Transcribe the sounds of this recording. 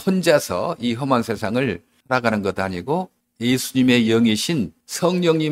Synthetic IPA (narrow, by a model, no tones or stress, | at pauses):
ond͡ʑasʰʌ̰iɦʌmaŋsʰe̞sʰaŋɯɭsʰaɾaɡanɯnɡʌtaɲiɡo | jesʰuɲime̞jʌŋiɕʰin | sʰʌŋɲʌŋɲi